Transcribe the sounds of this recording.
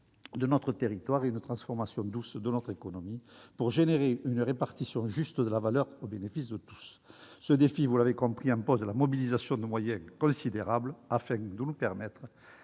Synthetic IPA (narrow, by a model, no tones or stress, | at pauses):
d̪ənɔt̪χət̪eʁit̪waʁeynət̪χɑ̃sfɔʁmasjɔ̃d̪usd̪ənɔt̪χekɔnɔmipuʁʒeneʁeynəʁepaʁt̪isjɔ̃ʒyst̪d̪əlavalœʁobenefisd̪ət̪u̥sːəd̪efivulavekɔ̃pχiɑ̃mpɔzd̪əlamɔbilizasjɔ̃d̪əmwajɛ̃ŋkɔ̃sid̪eʁabləafɛ̃d̪ənupɛʁmɛt̪χə